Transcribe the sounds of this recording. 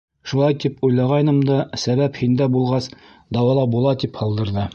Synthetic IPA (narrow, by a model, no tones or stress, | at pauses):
ʃulˠɑjt̪ipujlˠɑʁɑjnɤmd̪ɑsæβæphind̪æbulˠʁɑs | d̪ɑwɑlˠɑbulˠɑt̪iphɑlˠd̪ɤ̆ɾðɤ